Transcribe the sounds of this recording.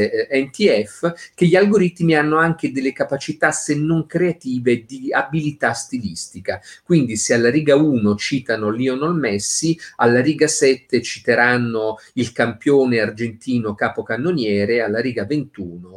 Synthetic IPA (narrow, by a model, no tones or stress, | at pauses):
ɛnt̪iɛfk̟eʎːialɡoɾit̪mianːoaŋk̟ed̪elːekapat͡ʃit̪asenːoŋkɾeat̪iːved̪iabilit̪ast̪ilist̪ikakwind̪isealːaɾiːɡauːnot͡ʃiːt̪anoliːonɔlmɛsːialːaɾiːɡasɛt̪ːet͡ʃit̪eɾanːoilkampjoːneard͡ʒent̪iːnokaːpokanːonjɛːɾealːaɾiːɡavent̪uːno